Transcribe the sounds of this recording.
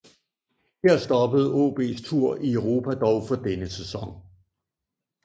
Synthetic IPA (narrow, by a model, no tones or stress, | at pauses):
hæɐsd̥ɒ̽b̥əð̞̩ˠɔ̰ːb̥e̝̰ːst͡sʰuɐ̰ʔiœʊʁo̝ːpʰæd̥ɒʊfɒ̽d̥enəsesɒ̽ŋ